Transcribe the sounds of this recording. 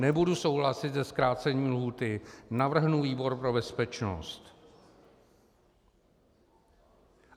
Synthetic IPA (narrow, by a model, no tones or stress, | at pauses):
nɛbuduso̞wɦlasɪt̪zɛskɾaːt͡sɛɲiːmlɦuːt̪ɪnavr̩ɦnuviːbo̞ɾpɾo̞bɛspɛt͡ʃno̰st̪